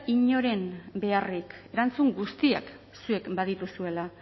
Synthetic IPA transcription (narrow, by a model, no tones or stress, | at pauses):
iɲo̞ɾe̞mbe̞arike̞ɾant͡suŋɡust̪ia̰k | sue̞kbað̞it̪usue̞la